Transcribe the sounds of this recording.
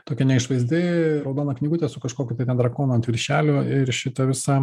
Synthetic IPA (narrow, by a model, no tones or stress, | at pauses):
t̪oːkʲɛnʲɛɪʃʋɐɪzʲd̪ʲɪɾɐʊd̪oːnɐknʲiːɡʊt̪ʲɛsʊkɐʃkoːkʲʊt̪ɐɪt̪ʲɛnd̪ɾɐkoːnuɐnt̪ʲʋʲɪɾʲʃʲæːlʲʊɪɾʃʲɪt̪ɐʋʲɪsɑ